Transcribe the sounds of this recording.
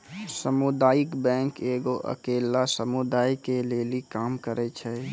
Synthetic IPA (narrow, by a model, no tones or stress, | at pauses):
səmud̪aːikbɛ̃ŋkeɡoʔə̰kelasəmud̪aːikelelikaːmkəɾɛt͡ʃʰɛ